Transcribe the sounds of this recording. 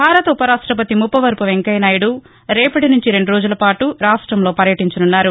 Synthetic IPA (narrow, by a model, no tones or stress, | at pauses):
bʱaːɾɐt̪ɐupɐɾaːʂʈɾɐp̬ɐt̪imupːɐʋɐɾpuʋe̞ŋkɐjnaːjuɽu | ɾɛːpɐʈinuɲt͡ʃiɾe̞ɳɖuɾoːd͡ʒulɐpaːʈuɾaːʂʈɾɐmlo̞ːpɐɾjɐʈiɲt͡ʃɐnunːaːɾu